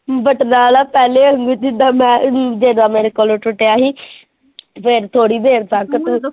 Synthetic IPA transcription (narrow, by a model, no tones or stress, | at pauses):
bəʈnaːlaːpɛːleːəŋɡuːt͡ʃɪd̪aːmɛ̃ːd͡ʒeːd̪aːmeːɾeːkoːlõːʈʊʈejaːɦiː | pʰɪɾt̪ʰoːɽiːd̪eːɾt̪akt̪